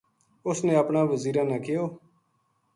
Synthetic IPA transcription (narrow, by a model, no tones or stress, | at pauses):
ʊsnẽːəpnãːʋəziːɾãːnãːkɪjoː